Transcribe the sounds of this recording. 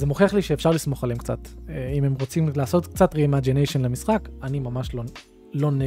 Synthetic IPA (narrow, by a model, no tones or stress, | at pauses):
zemoχeaχliʃeːfʃaʁlismo̞χaleemkt͡sa̰teimemʁo̞t͡simlaːso̞tk̚t͡satʁimad͡ʒenejʃenlemisχakanimamaʃlo | lo̞ne